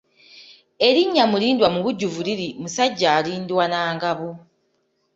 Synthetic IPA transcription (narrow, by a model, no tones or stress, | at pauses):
e̞ɾiɲːamuliːndwamuβuɟːuvuliɾimusaɟːaːliːndiwanaːŋɡaβo